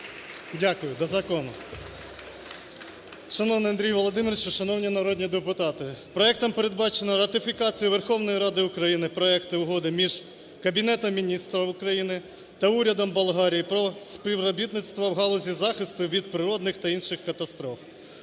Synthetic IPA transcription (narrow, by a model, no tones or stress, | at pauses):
dʲakʊjʊd̪ɐzɐkɔnʊ̰ | ʃɐnɔwnɪjɐnd̪ɾʲijʋɔlˠɔd̪ɪmɪɾt͡ʃʃɐnɔwnʲinɐɾɔdʲnʲid̪epʊt̪ɑt̪ɪpɾɔɛk̚t̪ɐmpeɾed̪̚bɑt͡ʃenɐɾɐt̪ɪfʲikɑt͡sʲijʊʋerxɔwnɔjiɾɑd̪ɪʊkɾɐjinɪpɾɔɛkt̪ɪʊɦɔd̪ɪmʲiʒ | kɐbʲinɛt̪ɔmʲinʲist̪ɾɐʊkɾɐjinɪ | t̪ɐuɾʲɐd̪ɔmbɐlˠɦɑɾʲijipɾɔspʲiwɾɔbʲit̪nɪt̪st̪ʋɐwɦɑlˠɔzʲizɑxɪst̪ʊʋʲid̪̚pɾɪɾɔd̪nɪxt̪ɐinʃɪxkɐt̪ɐst̪ɾɔf